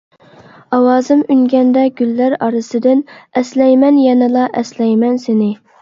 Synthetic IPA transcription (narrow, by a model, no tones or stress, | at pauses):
ɑwɑːzɨmyŋɡʲɛnd̪ɛɡʲylːæɾɑɾɨsɨd̪ɪnɛslɛjmɛnjɛnɪlˠɑʔɛslɛjmɛnsɪnɪ